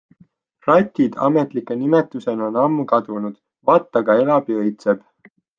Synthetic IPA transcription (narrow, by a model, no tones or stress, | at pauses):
rɑt̪ʲːid̪̥ɑ̰me̞t̪ˑlikːˑenimet̪ːˑuse̞no̞nɑmːukɑd̪unud̪̥ | vɑːt̪ːɑɡɑe̞lɑb̥iɤjt̪seb̥